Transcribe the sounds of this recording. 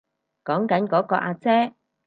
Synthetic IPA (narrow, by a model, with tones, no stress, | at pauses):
kɔː˨˥ŋkɐ˨˥nkɔː˨˥kɔː˧ʔaː˧t͡sɛː˥